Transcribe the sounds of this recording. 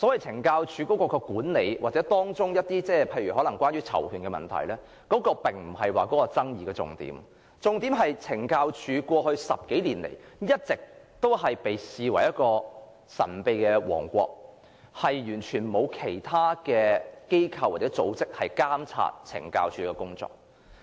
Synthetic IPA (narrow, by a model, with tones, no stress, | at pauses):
sɔ˨˥wɐ˨jt͡sʰɪ˨˩ŋkaː˧wt͡ʃʰyː˨˧kɔ˨˥kɔː˧kɔː˧kuː˨˥nle˨˧jwaː˨t̚t͡sɛː˨˥t̪ɔː˥ŋt͡sʊ˥ŋjɐ˥t̚t̪iː˥t͡sɛː˥˩pʰe˧jɥyː˨˩ɦɔː˨˥lɐ˨˩ŋkʷwaː˥njɥyː˥t͡sʰɐ̰˨˩wkʰyː˨nkɛː˧mɐ̰˨nt̪ʰɐ̰˨˩jlɛː˥ | kɔː˨˥kɔː˧pɪ˨ŋm̩˨˩ɦɐ˨jwaː˨˩kɔː˨˥kɔː˧t͡sɐ˥ŋjiː˨˧kɛː˧t͡sʊ̰˨ŋt̪ḭː˨˥m | t͡sʊ˨ŋt̪iː˨˥mɦɐ˨jt͡sʰɪ˨˩ŋkaː˧wt͡ʃʰyː˨˧kwɔː˧hɵ˧ɥsɐ˨p̚ke˨˥jliː˨˩nlḛ˨˩jjɐ˥t̚t͡sɪ˨k̚t̪o˥wɦɐ˨jpe˨jsiː˨wɐ˨˩jɐ˥t̚kɔː˧ | sɐ̰˨˩npe˧jkɛː˧wɔ̰ː˨˩ŋkʷɔ̰ː˧k̚ | hɐ˨jjyː˨˩nt͡ʃʰyː˨˩nmo˨˧wkʰe˨˩jt̪ʰaː˥kɛː˧ke˥jkʰɐ˧wːaː˨t̚t͡sɛ˨˦˥t͡so̰˨˥wt͡sɪ˥k̚hɐ˨jkaː˥mt͡sʰa̰ː˧˥t̚t͡sʰɪ̰˨˩ŋka̰ː˧wt͡ʃʰyː˨˥kɛː˧kʊ˥ŋt͡sɔ̰ː˧k̚